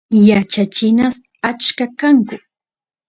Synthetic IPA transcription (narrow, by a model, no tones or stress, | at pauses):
jat͡ʃat͡ʃɪnas | at͡ʃkakaŋkʊ